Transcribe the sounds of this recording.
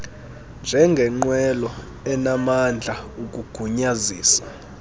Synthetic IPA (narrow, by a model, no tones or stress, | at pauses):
nd͡ʒʱɛŋɡʱɛŋ͡ǃwɛlɔ | ɛnamand͡ɮʱaukʼuɡ̥ʱuɲaziːsḁ